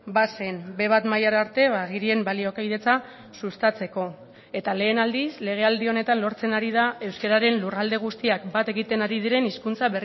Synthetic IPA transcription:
basenbe̞β̞at̪majaɾaɾt̪e̞βaɣiɾie̞mbalio̞kajð̞e̞t͡sa | sust̪at͡se̞ko̞ | e̞t̪ale̞ːnald̪isle̞ɣ̞e̞ald̪io̞ne̞t̪anlo̞ɾt͡se̞naɾið̞ae̞wskaɾaɾe̞nlurald̪e̞ɣ̞ust̪iakbat̪e̞ɣit̪e̞naɾið̞iɾe̞niskunt͡saβer

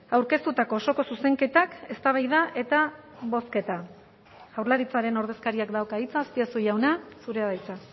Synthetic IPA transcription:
awɾke̞st̪ut̪ako̞ːso̞ko̞suse̞ŋke̞t̪ake̞st̪aβ̞ajðaʔe̞t̪a | βo̞ske̞t̪a | awɾlaɾit͡saɾe̞no̞ɾð̞e̞skaɾiakd̪awkait͡saːspiasuʝawnasuɾe̞aðajt͡sa

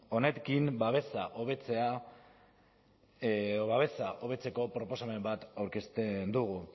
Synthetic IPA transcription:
o̞ne̞kimbaβe̞saʔoβet͡se̞a | oβaβe̞saʔo̞β̞e̞t͡se̞ko̞pɾo̞po̞same̞mbat̪awɾke̞st̪end̪uɣ̞u

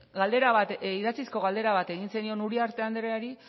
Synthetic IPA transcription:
ɡald̪e̞ɾaβat̪iðat͡sisko̞ɣald̪e̞ɾaβat̪e̞ɣ̞inse̞nio̞nuɾiaɾt̪e̞and̪ɾeaɾi

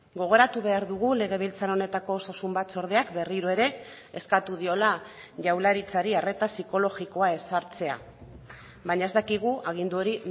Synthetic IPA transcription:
ɡo̞ɣ̞o̞ɾat̪uβe̞aɾðuɣule̞ɣ̞e̞β̞ilt͡saɾo̞ne̞t̪ako̞sasumbat̪so̞ɾð̞e̞akbe̞riɾo̞e̞ɾe̞ | eskat̪uð̞io̞laʝawlaɾit͡saɾiare̞t̪asiko̞lo̞ɣiko̞ae̞saɾt͡se̞a̰ | βaɲaezd̪akiɣ̞uʔaɣ̞ind̪uo̞ɾi

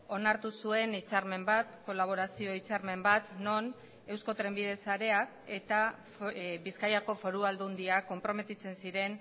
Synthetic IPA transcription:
o̞naɾt̪usue̞nit͡saɾme̞mbat̪ko̞laβ̞o̞ɾasio̞it͡saɾme̞mbat̪no̞n | e̞wsko̞t̪ɾe̞mbið̞e̞saɾe̞ake̞t̪afβiskajako̞fo̞ɾuald̪und̪iako̞mpɾo̞me̞t̪it͡se̞nsiɾe̞n

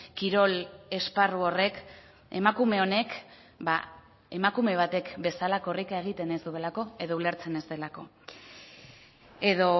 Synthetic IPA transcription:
kiɾo̞le̞sparuo̞re̞k | emakume̞o̞ne̞k | ba | e̞makume̞β̞at̪e̞kbe̞salako̞rikaeɣ̞it̪e̞ne̞zd̪ue̞lako̞e̞ðoule̞ɾt͡se̞ne̞zd̪e̞lako̞ | e̞ðo̞

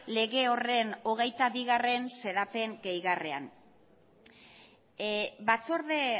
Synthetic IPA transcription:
le̞ɣe̞o̞re̞no̞ɣ̞e̞jt̪aβiɣare̞nse̞ɾape̞ŋɡe̞jɣarea̰n | bat͡so̞ɾðe

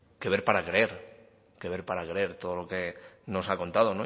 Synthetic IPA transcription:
ke̞βe̞ɾpaɾakɾeeɾ | ke̞βe̞ɾpaɾakɾee̞ɾt̪o̞ð̞olo̞ke̞no̞sako̞nt̪að̞o̞no

